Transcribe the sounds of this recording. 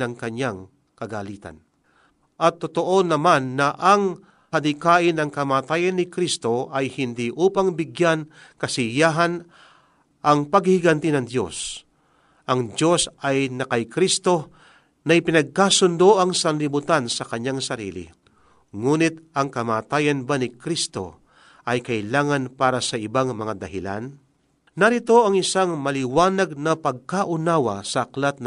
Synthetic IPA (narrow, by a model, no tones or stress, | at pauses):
nɐŋkɐɲjaŋ | kɐɡaliːt̪a̰n | ʔɐt̪ːot̪o̞ʔo̞nɐmanːɐʔɐŋ | hɐd̪ɪkaːʔɪnɐŋkɐmaːt̪aːjɐnːɪkɾist̪o̞ɐjhɪnd̪iʔuːpaŋbɪɡjan | kɐsɪjaːɦɐn | ʔɐŋpɐɡhɪɡɐnt̪inɐŋd̪jo̞̰s | ʔɐŋd̪jo̞sajnɐkɐjkɾist̪o̞ | nɐʔɪpɪnɐɡ̚kaːsʊnd̪oʔɐŋsɐnlɪbʊt̪ansɐkɐɲaŋsɐɾḭːlɪ̰ | ŋuːnɪt̪̚ɐŋkɐmaːt̪aːjɐnbanɪkɾist̪o̞̰ | ʔɐjkɐʔɪlaːŋɐnpaːɾɐsɐɪbaŋmɐŋad̪ɐhɪla̰n | nɐɾɪt̪o̞ɐŋɪsaŋmɐlɪwaːnaɡ̚nɐpɐɡ̚kaːʔʊnaːwɐ̰sɐʔɐklat̪̚n